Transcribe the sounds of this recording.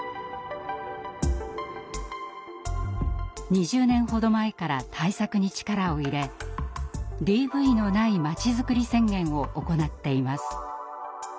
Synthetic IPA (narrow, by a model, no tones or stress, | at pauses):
ɲ̟iʑɨːnẽ̞ɰ̃ho̞d̪o̞mae̞kaɾa̰t̪ʰaisakɯ̟ɲ̟it͡ɕi̥kaɾao̞iɾe̞ | d̪iːbɯ̟ino̞naimat͡ɕizɨkɯ̟ɾʲisẽ̞ŋɡẽ̞ɰ̃o̞ʔoko̞nat̪ːe̞imasɨ̥